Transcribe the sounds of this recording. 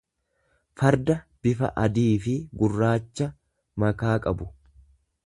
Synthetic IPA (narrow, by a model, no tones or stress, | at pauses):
fɐɾd̪ɐb̥ɪfɐ̰ʔɐd̪iːfɪɡʊrːaːt͡ʃːɐ | mɐkaːkʼɐbʊ